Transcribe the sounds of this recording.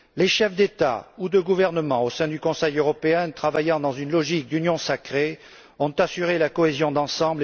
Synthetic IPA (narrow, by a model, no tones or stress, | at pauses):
leʃɛfd̪et̪a̰ud̪əɡuvɛʁnəmɑ̃osɛ̃d̪ykɔ̃sɛjøʁɔpeɛ̃t̪χavajɑ̃d̪ɑ̃zynlɔʒik̚d̪ynjɔ̃sakχe | ɔ̃t̪asyʁelakɔezjɔ̃d̪ɑ̃sɑ̃bl